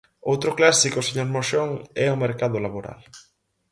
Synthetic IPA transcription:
owt̪ɾoklasikoseɲoɾmoʃoŋɛomeɾkaðolaβoɾa̰l

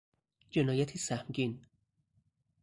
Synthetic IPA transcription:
d͡ʒenɒːjæt̪ʰisæhmɟin

